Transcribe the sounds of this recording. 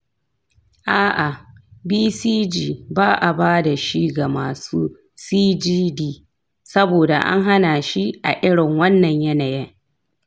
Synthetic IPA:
ʔaː˦ʔa˨biː˦siː˦d͡ʒiː˨baː˦ʔa˨baː˦da˨ʃi˦ɡa˨maː˨suː˦ | siː˦d͡ʒiː˦diː˨ | sɐ˦boː˨da̰˨ʔa̰˦ŋɦa˦na˨ʃi˦ʔa̰˨ʔɪ˦ɽɪ˨ŋwɐ˦nːɐ˨ɲjɐ˦na˨jɛ˦ŋ

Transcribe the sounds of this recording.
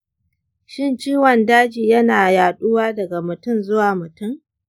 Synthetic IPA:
ʃɪ˦˨nt͡ʃiː˦wɐ˨ndaː˦d͡ʒiː˨jɐ˦naː˨jaː˨ɗʊ˦waː˦dɐ˨ɡa˨mʊ˨tʊ˦˨nzʊ˦waː˨mʊ˨tʊ˦ŋ

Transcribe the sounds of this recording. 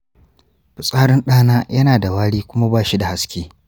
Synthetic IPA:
ɸʊ˨sʼaː˦ɾɪ˦nɗaː˦naː˦jɐ˦naː˨da˨waː˦ɽiː˦kʷʊ˦ma˦baː˦˨ʃi˦da˨ha˦skʲeː˦

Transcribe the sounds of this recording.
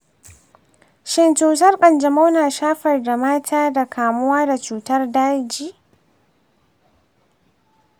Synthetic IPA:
ʃɪ˨nt͡ʃuː˨tɐ˦rkʼɐ˨nd͡ʒɐ˨ma˦wnaː˨ʃaː˦ɸɐ˨rda˨maː˦tʰaː˦da˨kʰaː˨mʊ˦waː˦da˨t͡ʃuː˨tɐ˦rdaː˦d͡ʒiː˨

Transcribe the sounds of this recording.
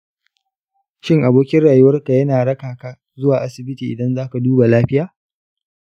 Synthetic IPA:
ʃɪ˦˨ŋʔa˨boː˦kʲɪ˦rɽaː˨jʊ˦wɐ˦rka˨jɐ˦naː˨ɽɐ˦kaː˨ka˦ | zʊ˦waː˨ʔa˦sɪ˨bɪ˦tiː˨ʔɪ˨dɐ˦nzaː˦ka˨duː˦ba˨laː˦ɸɪ˦jaː˨

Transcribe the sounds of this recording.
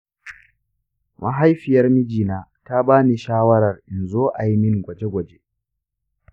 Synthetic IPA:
mʔa̰˦ɦa˦jɸɪ˨jɐ˦rmɪ˦d͡ʒiː˨naː˨ | ta˦baː˦ni˨ʃaː˦wɐ˦ɾɐ˨rʔɪ˨nzoː˦ʔa˨ji˦mɪ˦ŋɡʷɐ˨d͡ʒe˦ɡʷɐ˨d͡ʒe˦

